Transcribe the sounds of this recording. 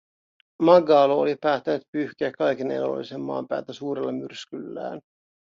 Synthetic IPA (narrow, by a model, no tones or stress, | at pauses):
mɑɡɑːloolipæːt̪ːænyt̪pyhk̟eækːɑjkinḛlo̰lːḭsemːɑ̰ːmpæ̰ːlt̪æsuːɾelːɑmyrskylːæ̰ːn